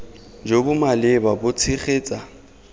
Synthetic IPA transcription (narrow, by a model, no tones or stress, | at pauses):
d͡ʒobʊmalɪbabʊt͡sʰɪχeːt͡sʼa